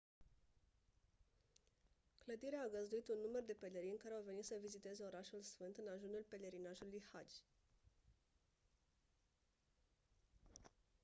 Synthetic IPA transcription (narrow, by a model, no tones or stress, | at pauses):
kləd̪iɾeaːɡəzd̪uit̪unːumərd̪e̞pe̞leɾinʲkaɾeawve̞nit̪səvizit̪e̞ze̞o̞ɾaʃulsfɨnt̪ɨnaʒunulpe̞le̞ɾinaʒulujhad͡ʒʲ